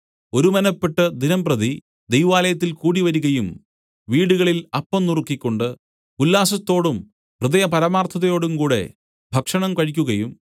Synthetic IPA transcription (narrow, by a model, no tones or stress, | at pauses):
o̞ɾumɐnɐpːe̞ʈːɐd̪inɐmprɐði | d̪e̞jʋaːlɐjɐt̪̬ːilkuːɽiʋɐɾuɣɐjum | ʋiːɽuɣɐɭilɐpːɐmnurukːikʲːo̞ɳɖɨ | ulːaːsɐt̪ːo̞ːɽum | prɨðɐjɐpɐɾɐmaːrt̪ʰɐðɐjo̞ːɽumkuːɽe̞̰ | bʱɐkʂɐɳɐmkɐɻikʲːuɣɐjum